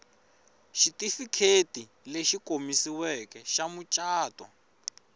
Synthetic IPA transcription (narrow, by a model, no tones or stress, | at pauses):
ʃitifikʰeti | leʃikʼomisiwɛkɛʃamut͡ʃʼaːtʼwa̰